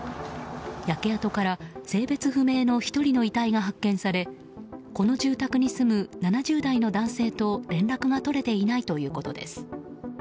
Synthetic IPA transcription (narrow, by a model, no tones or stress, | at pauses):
jake̞at̪o̞kaɾase̞ːbe̞t͡sɨɸɯ̟me̞ːno̞çi̥t̪o̞ɾʲino̞it̪aiɡaɦakːẽ̞ɰ̃saɾe̞ | ko̞no̞ʑɨːt̪akɯ̟ɲ̟isɨmɯ̟nanaʑɨːd̪aino̞d̪ãɰ̃se̞ːt̪o̞ɾẽ̞nɾakɯ̟ɡat̪o̞ɾe̞t̪e̞inait̪o̞jɯ̟ːko̞t̪o̞̰d̪e̞̰sɨ̥